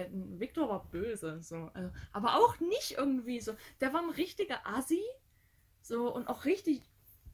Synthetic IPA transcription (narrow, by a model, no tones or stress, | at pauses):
n̩vɪk̚tʰoːɐvaːɐb̥øːzəz̥oːʔa̰lzoʔaːbɐʔaʊxnɪçtʔɪɐɡŋ̩tv̥iːzoːd̥eːɐvaːɐnʁɪçtɪɡɐʔazi | z̥oːʔʊnta̰ʊxʁ̥ɪçtɪç